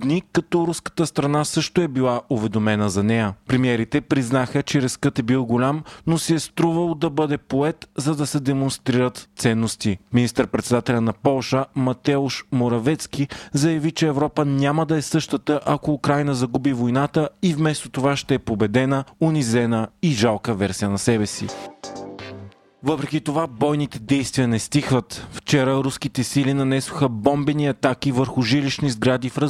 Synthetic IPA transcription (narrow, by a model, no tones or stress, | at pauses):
d̪nikɐt̪ɔɾuskə̥t̪əst̪ɾɐnasɤʃt̪oɛbilˠaʔovɛd̪omɛnəzɐnɛjəpɾɛmiɛɾit̪ɛpɾiznaxət͡ʃɛɾɛskɤt̪ɛbilˠɡolʲamnosiɛst̪ɾuvəlˠd̪ɐbɤd̪ɛpoɛt̪zɐd̪ɐsɛd̪ɛmonst̪ɾiɾət̪sɛnːost̪iminist̪əɾpɾɛt̪sɛd̪at̪ɛlʲɐnɐpɔlˠʃəmɐt̪ɛʊʃmoɾɐvɛt̪skizɐjɐvit͡ʃɛɛvɾɔpənʲaməd̪ɐɛsɤʃt̪ət̪əʔɐkoːkɾajnəzɐɡubivojnat̪əivmɛst̪ot̪ovaʃt̪ɛɛpobɛd̪ɛnəʊnizɛnəiʒalˠkəvɛɾsijənɐsɛbɛsḭ | vɤpɾɛkʲit̪ovabɔjnit̪ɛd̪ɛjst̪vijənɛst̪ixvət̪ft͡ʃɛɾəɾuskit̪ɛsilinɐnɛsʊ̥xəbɔmbɛniɐt̪ak̟ivəɾxʊʒiliʃnizɡɾad̪ifɾə